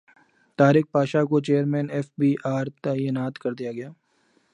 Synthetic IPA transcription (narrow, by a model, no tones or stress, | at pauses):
t̪aːɾɪk̚paːʃakot͡ʃeːəɾmɛ̃ːnɛːfbiːʔaːɾt̪aːjɪnaːt̪kɐɾd̪ijaɡɐjaː